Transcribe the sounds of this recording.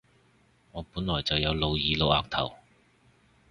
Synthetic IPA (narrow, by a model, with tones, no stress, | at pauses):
ŋɔː˨˧puː˨˥nlɔː˨˩jt͡sɐ˨wjɐ˨˧wlo˨˧wjiː˨lo˨˧wa̰ː˨˩ŋ̚t̪ʰɐ̰˨˩w